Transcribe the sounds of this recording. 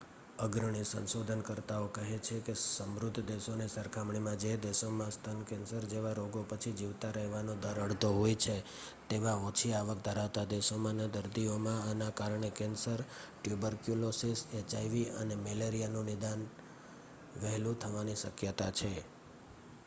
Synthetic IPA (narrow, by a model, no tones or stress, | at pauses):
əɡɾəɳ̃isə̰nsod̪ʱənkəɾt̪aokəɦet͡ʃʰekesəmɾud̪ʱːd̪eʃonesəɾkʰamɳimãd͡ʒed̪eʃomãst̪ʰənkɛ̃nsəɾd͡ʒeʋaɾoɡopət͡ʃʰid͡ʒiʋt̪aɾəɦʋanod̪əɾəɽt̪oɦojt͡ʃʰe | t̪eʋãot͡ʃʰiaʋək̚d̪ʱəɾaʋt̪ad̪eʃomãnad̪əɾd̪iomãanakaɾɳekɛnsəɾʈjubəɾkjulosiset͡ʃajʋiə̰nemeleɾijanũnɪd̪an | ʋɛɦlũt̪ʰəʋaniʃəkjət̪at͡ʃʰe